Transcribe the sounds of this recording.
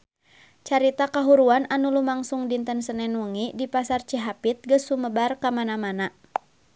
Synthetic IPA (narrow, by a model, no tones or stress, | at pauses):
t͡ʃaɾit̪akaɦuɾuananulumaŋsuŋdint̪ənsənɛnwəŋidipasart͡ʃiɦapit̪̚ɡəsuməbarkamanamana